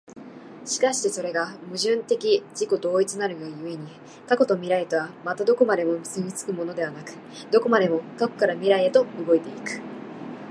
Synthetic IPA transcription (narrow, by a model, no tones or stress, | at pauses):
ɕi̥kaɕi̥t̪e̞so̞ɾe̞ɡamɯ̟ʑɨ̃nt̪e̞kʲid͡ʑiko̞d̪o̞ːit͡sɨnaɾɯ̟jajɯ̟e̞ɲ̟i | kako̞t̪o̞mʲiɾaet̪o̞βamat̪ad̪o̞ko̞mad̪e̞mo̞mɯzɨmʲit͡sɨ̥kɯ̟mo̞no̞d̪e̞β̞anakɯ̟̥ | d̪o̞ko̞mad̪e̞mo̞kako̞̥kaɾamʲiɾae̞t̪o̞ɯɡo̞it̪e̞ikɯ̟̥